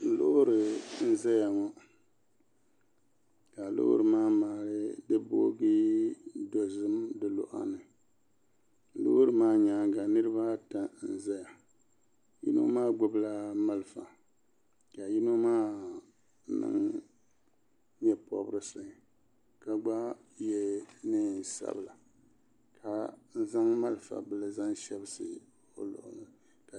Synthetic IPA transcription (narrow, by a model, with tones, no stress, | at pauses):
lo̰˦ʔʊ˦ɾɨ˨n̩˦zɛ˦ja˨ŋɔ˦ | ka˨lʊ̰˦ʔʊ̰˦ɾɨ˨maː˦maː˨ɾɨ˦dɨ˦bo˦ɡi˦do˨zɨ˦mdɨ˨lo̰˦ʔa̰˦nɨ˨˦ | lo̰˦ʊ˦ɾɨ˨maː˦ɲaː˨˦ŋɡa˨nɨ˦ɾɨ˦ba˦ta˨n̩˦zɛ˦ja˨ | jḭ˦no̰˦maː˦ɡ͡bʊ˦bla˦ma˦lɨ˨fa˨ | ka˨ji˦no˦maː˦ | nɨ̰˦ŋ | ɲɛ˦pɔ̰˦bɨ˦ɾɨ˨sɨ˨ | ka˨ɡ͡ba˦ | jɛ˦nɨ˦˨n˨sa̰˦bɨ˨la˨ | kʰa˨n̩˦za˦ŋma˦lɨ˨fa̰˨bɨ˦lɨ˦za˦ŋʃɛ˦bɨ˦sɨ˨ | o̰˦lʊ̰˨ʔʊ˨nɨ˨ | ka˨